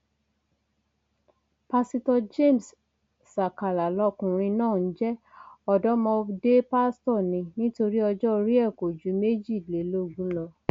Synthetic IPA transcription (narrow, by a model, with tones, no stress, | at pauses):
pa˧si˧tɔ˧d͡ʒe˦˨m˨sː | a˨ka˨la˨lɔ˧kũ˨ɾ̃ĩ˧nãː˦˨n̩˦d͡ʒɛ˦ | ɔ˧dɔ˦mɔ̃˧de˦pa˦stɔ˦˨nĩ˧nĩ˦to˧ɾi˦ɔ˧d͡ʒɔ˦ɾi˦ɛ˦˨ko˨d͡ʒu˨˦me˦d͡ʒi˦˨le˨˦lo˦˨ɡũ˨˦lɔ˧